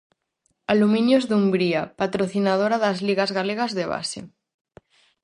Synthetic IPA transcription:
alumĩnjozðumbɾiapat̪ɾoθinað̞oɾaðazliɣazɣaleɣ̞azðeβa̰sḛ

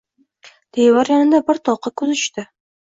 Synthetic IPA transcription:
t̪ʰejvaɾjɒnɪd̪abɪɾt̪ʰɒqɑkʰɵzʰʊ̥ʃt̪ɪ

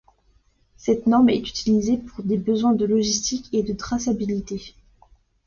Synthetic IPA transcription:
sɛt̪nɔʁmɛt̪y̥t̪ʰilizepuʁd̪ebəzwɛ̃d̪əlɔʒist̪ikʲed̪ət̪χasabilit̪e

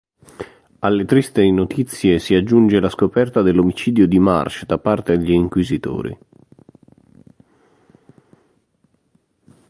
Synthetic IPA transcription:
alːet̪ɾist̪enot̪ʰit̪sːjesiad͡ʒːund͡ʒelaskopɛrt̪ad̪elːomit͡ʃiːd̪jod̪ima̰rt͡ʃd̪apart̪ed̪eʎiːŋkwizit̪o̰ːɾḭ

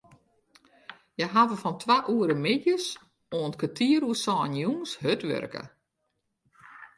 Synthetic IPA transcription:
jəɦavəfɔntʰʋaʔuəɾəmɪdjəs | oəntkatʰiəɾuəsɔːnjunshøtʋø̰rkə̰

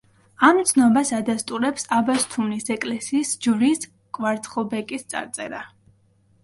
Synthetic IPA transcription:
amt̪sʰnɔbasad̪ast̪ʼuɾɛpsabast̪ʰumnisɛkʼlɛsiːsd͡ʒuɾis | kʼvaɾt̪ʰχɔbɛkʼist̪sʼa̰ɾt̪sʼɛ̰ɾa

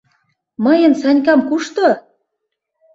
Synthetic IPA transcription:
mɤ̆jə̆nsɑnʲkɑmkuʃt̪o

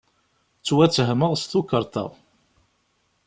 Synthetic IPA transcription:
t͡sːwæt͡sːəɦməʁst̪ukːəɾˤt̪ə̰ʁ

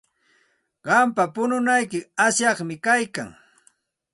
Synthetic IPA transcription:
ɢɑmpapʊnʊnajkɪasjɑχmɪkajka̰ŋ

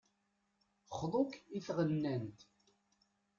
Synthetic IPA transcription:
χðˤokiθʁənːænt̪

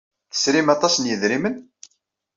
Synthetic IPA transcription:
θə̥sɾimɑt̪ˤɑsnjəðɾimən

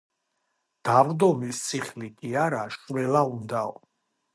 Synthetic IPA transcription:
d̪̥avd̪ɔmist̪sʰʼiχlikʼiaɾaʃvɛlaund̪aɔ̰

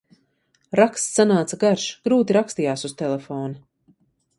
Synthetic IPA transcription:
ɾakst̪sanaːt̪saɡaɾʃɡ̥ɾuːt̪iɾakst̪ijaːsust̪ɛlefɔːna

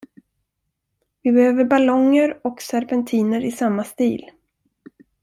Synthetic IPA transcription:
vɪbɛhøːvəɾbalɔŋːəɾɔksaɾpɛnt̪ʰiːnəɾɪsamːast̪iːl

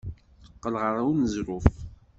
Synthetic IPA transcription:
θə̥qːəlʁəɾˤawnəzɾʊf

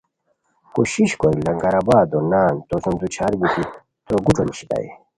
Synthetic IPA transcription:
kuɕiɕkoilɐŋɡɐɾabaːd̪onaːnt̪osɐnd̪ut͡ɕʰaːɾbut̪ʰi | t̪oɡuʈ͡ʂoniɕi̥t̪a̰ḛ

